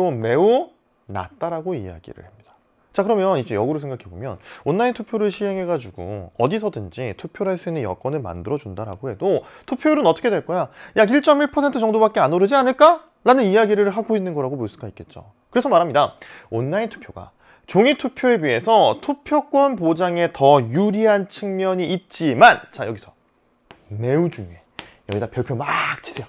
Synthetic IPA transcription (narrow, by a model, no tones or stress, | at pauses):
ome̞u | na̰t̚t͈aɾaɡoḭja̰ɡḭɾɯ̰ɭhemɲid̥a | t͡ɕakɯɾʌmjʌnid͡ʑejʌɡɯɾosʰeŋɡakʰe̞bo̰mjʌ̰nwʌnːaintʰupʰjoɾɯɭɕʰiɦe̞ŋɦe̞ɡad͡ʑuɡṵʌ̰disʰʌdɯnd͡ʑitʰupʰjoɾɦaɭs͈uinːɯnjʌ̰k͈ʌnɯɭma̰ndɯɾʌd͡ʑundaɾa̰ɡohe̞dotʰupʰjoɾɯnʌt͈ʌkʰedwe̞ɭk͈ʌjajaɡiɭt͡ɕ͈ʌmiɭpʰʌsʰentʰɯd͡ʑʌŋdobak͈̚e̞anoɾɯd͡ʑianɯɭk͈a | ɾanɯnijaɡiɾɯɭɦaɡoinːɯnɡʌɾaɡomoɭs͈uɡaitk͈e̞t̚t͡ɕ͈o̰ | kɯɾe̞sʰʌmaɾɦamɲidawʌnːaintʰu̥pʰjoɡa̰ | t͡ɕoŋitʰupʰjoe̞wɥie̞sʰʌtʰupʰjok͈wʌnpod͡ʑaŋe̞tʌjuɾiɦant͡ɕʰɯŋmjʌɲiʔːt̚t͡ɕ͈imant͡ɕajʌ̰ɡisʰʌ | me̞ud͡ʑuŋe̞̰ | jʌɡidapjʌɭpʰjomat͡ɕʰi̥sʰejo